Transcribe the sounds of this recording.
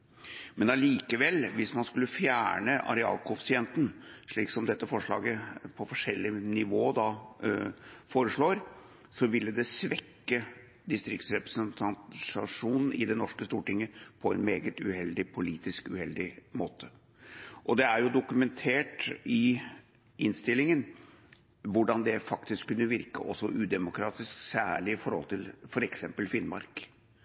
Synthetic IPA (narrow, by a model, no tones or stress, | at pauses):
mɛnɑliːkəʋɛlːʋɪsmɑnskʉlːəfjæ̰ːɳəɑ̰ɾɛɑ̰ːlkʰʊfɪsɪɛnt̪n̩ʂɭiːksɔmd̪ɛt̪ːəfɔʂɭɑ̰ːɡəpʰɔfɔʂɛlːɪnɪʋoːd̪ɑ | foːɾəʂɭoːɾ | sɔʋɪlːəd̪ɛsʋɛkːə | d̪ɪst̪ɾɪkt̪sɾɛpɾəsənt̪ʰɑnɑʂuːnn̩ɪ̰d̪ɛnɔʂkəst̪uːʈɪŋːəpʰɔɛ̰nmeːɡət̪ʉhɛld̪ɪpʰʊliːt̪ɪskʉ̰hɛld̪ɪmoːt̪ʰə | ʔɔd̪ɛæɾjʊd̪ʊkʉmɛnt̪ʰeːʈɪ | ɪnst̪ɪlːɪŋən | ʋʊɖɑnd̪ɛfɑkt̪ɪskʰːʉnːəʋɪɾkə̰ʔɔsːɔʔʉːd̪ɛmʊkʰɾɑːt̪ɪsksæːɭɪɪfɔɾhɔ̰lt̪ʰɪlfɔɾɛksɛmpəlfɪnmɑ̰ɾk